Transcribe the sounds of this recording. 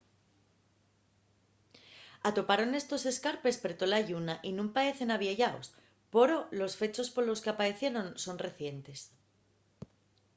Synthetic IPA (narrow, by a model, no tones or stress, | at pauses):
at̪o̞paɾo̞ne̞st̪o̞se̞skaɾpe̞speɾt̪o̞laʝunaʔinũmpae̞θe̞naβjeʝao̰s | po̞ɾo̞lo̞sfe̞t͡ʃo̞spo̞ɾlo̞ske̞apaɾe̞θje̞ɾo̞nso̞nre̞θje̞nt̪e̞s